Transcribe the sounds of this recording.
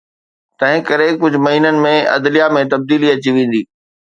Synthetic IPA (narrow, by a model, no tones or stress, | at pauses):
t̪ɐ̃ɦɪ̃kɐɾekʊd͡ʑʱʊ̆mɐɦiːnənɪ̆mẽɐ̰d̪lijamẽt̪ɐb̚d̪iːliɐt͡ɕiʋẽːn̆d̪iː